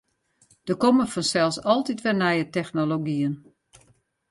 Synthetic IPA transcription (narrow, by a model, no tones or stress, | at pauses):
d̥əkoməfɔnsɛlˠsɔlˠtitʋɛnɛjətɛxnoloɡiən